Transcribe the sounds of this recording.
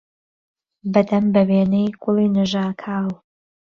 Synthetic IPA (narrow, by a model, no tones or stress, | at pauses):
bɐd̪ɐmbɐweːnɛjkʰʊlˠiːnɨʒaːkʰaːw